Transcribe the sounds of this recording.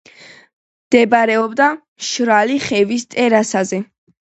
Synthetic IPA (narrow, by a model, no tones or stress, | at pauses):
md̪̥ɛbaɾɛɔbd̪amʃɾaliχɛvist̪ʼɛɾasazɛ